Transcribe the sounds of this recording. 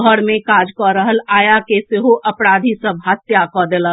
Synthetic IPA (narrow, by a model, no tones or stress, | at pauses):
ɔɽmẽkaːd͡ʒkɔɾəɦəlaːjakeseɦoʔɐpɽaːd̪ʱisəbʱɦaːt̪jakɔd̪ela